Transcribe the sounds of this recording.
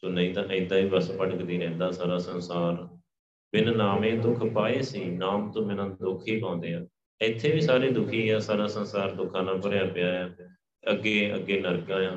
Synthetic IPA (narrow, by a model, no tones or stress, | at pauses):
t̪oːnəĩːt̪ãːʔɪ̃d̪ãːĩːbəspəʈkd̪iːɾɛ̃ːnd̪aːsaːɾaːsənsaːɾ | bɪnnaːmẽːd̪ʊkʰpaːeːsiːnaːmt̪õːmɛ̃ːnãːd̪ʊkʰɦiːpãːʊ̃nd̪eːãː | ɪt̪ʰːeːbiːsaːɾeːd̪ʊkʰiːãːsaːɾaːsənsaːɾd̪ʊkʰãːnãːpəɾɪjãːpɪjaːjãː | əɡeːə̰ɡːeːnəɾkãːjãː